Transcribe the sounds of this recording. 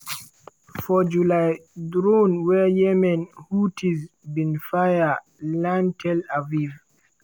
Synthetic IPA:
fɔd͡ʒulajdɾonwɛjɛmɛnhutʰizbinfaja | lamtʰɛlaviv

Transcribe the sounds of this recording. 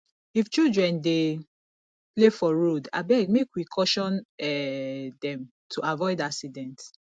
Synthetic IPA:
ift͡ʃildɹɛ̃nde | plefɔɹoda̰bɛɡ̚mekwikʰɔʃɔ̃nɛdɛ̃m | tʰuavɔɪdaksidɛ̃nt

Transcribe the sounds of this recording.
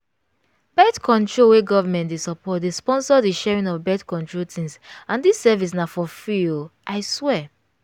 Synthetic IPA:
bɛtkʰɔ̃ntʰɹoweɡɔvamɛ̃ntdesɔpʰɔt̚despɔ̃nsɔdiʃɛɹĩŋɔvbɛtkɔ̃ntɹotʰĩnsãndisːɛvis̬nafɔfilʔaɪswɛ

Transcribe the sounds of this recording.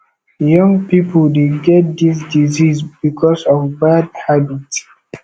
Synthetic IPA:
jʌ̃ŋɡpipʰəldeɡɛt̚d̪is̬dizisbikʰɔsɔvbadhabits

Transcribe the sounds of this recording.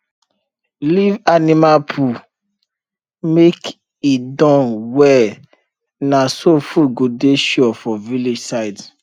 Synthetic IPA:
livanimapʰu | mek | idɔ̃nwɛ | nasofuɡudeʃɔfɔvilid͡ʒsaɪd

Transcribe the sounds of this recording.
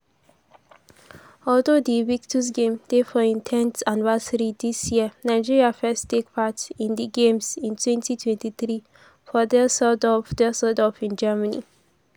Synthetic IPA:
ɔldodiwik̚tʰusɡẽmd̥efɔĩntʰɛ̃nsãnvɛsəɹidisjiənaɪd͡ʒiɹiafɛstek̚pʰatĩndiɡẽmsĩntʰwɛ̃ntʰitʰwɛ̃ntiθɹi | fɔdɛsɔdɔfdɛsɔdɔfĩnd͡ʒɛmənḭ

